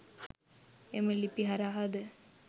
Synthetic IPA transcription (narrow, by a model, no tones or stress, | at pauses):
eməlipiɦaɾaɦad̪ə